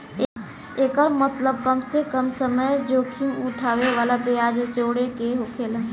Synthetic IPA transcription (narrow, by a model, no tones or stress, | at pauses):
eːkəɾmət̪ləb̚kəmsekəmsəməjd͡ʒoːkʰiʊʈʰaːʋeʋaːlapɪjaːd͡ʒət͡ʃoːɽekeɦokʰel̃